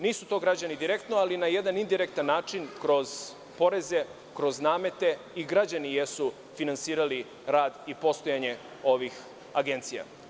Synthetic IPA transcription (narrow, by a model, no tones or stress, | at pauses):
niːsut̪o̞ːɡɾad͡ʑanid̪iɾe̞kt̪noalinaje̞d̪anind̪iɾek̚t̪anːaːt͡ʃinkɾo̞z | po̞ɾe̞ze̞ | kɾo̞znaːme̞t̪e̞ | iɡɾad͡ʑanijesu | finansiːɾali | ɾaːd̪ipo̞st̪o̞jaɲe̞ | o̞ʋix | aɡe̞nt̪sija̰